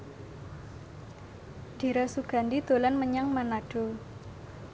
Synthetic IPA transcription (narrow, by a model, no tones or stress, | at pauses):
d̪̥i̤ɾasuɡ̥a̤ndid̪̥o̤lanməɲaŋmanaɖ̥o̤